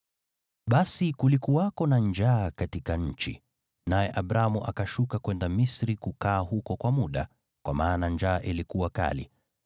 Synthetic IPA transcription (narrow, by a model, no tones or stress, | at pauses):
ɓasikulikuwakɔnand͡ʒaːkatikaɲ̩t͡ʃḭ | najɛʔaɓɾamuʔakaʃukakwɛndamisɾikukaːhukɔkwamuɗa̰ | kwamaːnand͡ʒaːʔilikuwaka̰lḭ